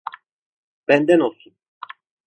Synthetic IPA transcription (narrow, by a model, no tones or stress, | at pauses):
b̥ɛnd̪ɛnosin